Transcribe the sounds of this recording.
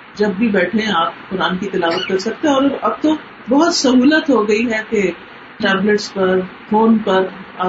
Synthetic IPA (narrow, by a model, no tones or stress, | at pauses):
d͡ʒɐbːʱibɛːʈʰeɛ̃aːp̚kʊɾaːnkit̪ɪlaːʋət̪̚kɐɾsɐk̚t̪ẽɔːɾɐb̚t̪o | bɔɦʊt̪sɐɦuːlət̪ɦoɡɐiɦɛke | ʈɛːbləʈspɐɾfoːnpɐɾa